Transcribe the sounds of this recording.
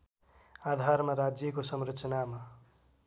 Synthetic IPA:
ad̪ʱaɾmaɾad͡zjʌkosʌmrʌt͡sʌnama

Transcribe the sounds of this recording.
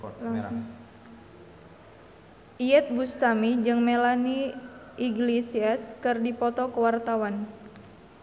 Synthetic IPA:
ʔiɛt̪̚ɡust̪amid͡ʒɨŋmelaniʔiɡlesiaskɨrdipɔt̪ɔkəwart̪awan

